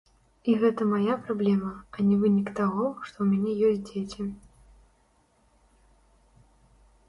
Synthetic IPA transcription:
iɣɛt̪ɐmajapɾablʲɛmɐɐnʲɛvɨnʲikt̪aɣɔʂt̪ɔwmʲanʲɛjɔsʲt̚ʲd͡zʲet͡sʲi

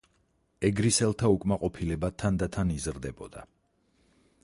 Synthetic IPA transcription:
ɛɡɾisɛlˠt̪ʰaukʼmaqʼɔpʰilɛbat̪ʰand̪at̪ʰanizɾd̪ɛbɔ̰d̪̥a̰

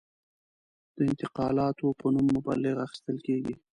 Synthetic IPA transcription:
d̪̥əɪnt̪ɪqɑlɑt̪opənumːʊbɑ̰lɪɣaxi̥st̪əlkeɡi

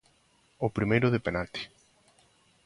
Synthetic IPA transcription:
ʊpɾimejɾʊðepenalt̪i̥

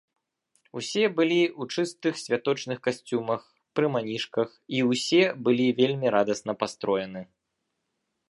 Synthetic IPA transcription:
usʲɛbɨlʲiut͡ʂɨst̪ɨxsʲvʲat̪ɔt͡ʂnɨxkasʲt͡sʲumɐx | pɾɨmanʲiʂkɐxiwsʲɛbɨlʲivʲelʲmʲiɾad̪ɐsnɐpast̪ɾɔjɛnɨ

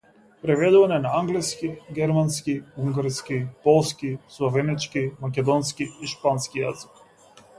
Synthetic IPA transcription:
pɾɛvɛd̪uvanɛnaaŋɡlɛskiɡʲɛɾmanskiuŋɡaɾskipɔlˠskislˠɔvɛnɛt͡ʃkimak̬ʲɛd̪ɔnskiiʃpanskija̰zik

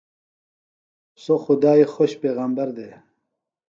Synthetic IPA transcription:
soxʊd̪aːixoɕpeːɣambɐɾd̪eː

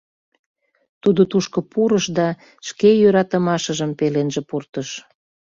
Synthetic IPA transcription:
t̪ud̪ot̪uʃkŏpuɾəʃd̪ɑ | ʃkejøɾɑt̪əmɑʃəʒəmpelenʒepurt̪əʃ

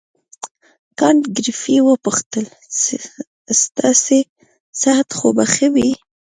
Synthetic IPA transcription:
kɑɳʈɡɾifiwəpuxt̪əl | st̪ɑse | saht̪xobaxawi

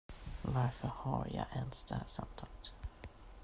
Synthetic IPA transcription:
vaɾfəɾhaɾjɑʔɛnst̪ʰasamt̪ʰɑːlt̪

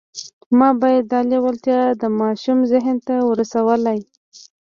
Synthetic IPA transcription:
mɑbɑjad̪ːɑlewalt̪jɑd̪əmɑʃumzɪɦnt̪awəɾasawəlaj

